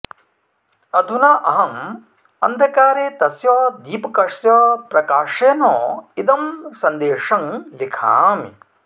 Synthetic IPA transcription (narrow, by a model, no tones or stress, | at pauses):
ɐd̪ʱunaːʔɐɦɐm | ɐ̰nd̪ʱɐkaːɾeːt̪ɐsjɔːd̪iːpɐkɐʂjɐːpɾɐkaːʂeːnoːid̪ɐmsɐnd̪eːʂɐŋlikʰa̰ːmḭ